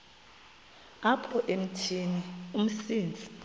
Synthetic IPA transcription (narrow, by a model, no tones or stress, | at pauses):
apʰɔʔem̩tʰinium̩siːnd͡zʱi